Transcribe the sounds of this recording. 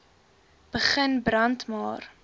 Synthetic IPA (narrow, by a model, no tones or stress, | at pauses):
b̥əχənbrɐntmɑːr